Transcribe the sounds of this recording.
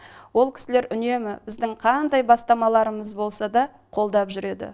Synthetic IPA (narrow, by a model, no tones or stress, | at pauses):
wo̞lˠkʲʰɪ̥sɪle̞ɾʔʏne̞mɪbɪzd̪ɪŋqʰɑnd̪ɑjbɑst̪ɑmɑlˠɑɾəməzbo̞lˠsɑd̪ɑ | qʰo̞lˠd̪ɑpʒʏɾe̞d̪ɪ̰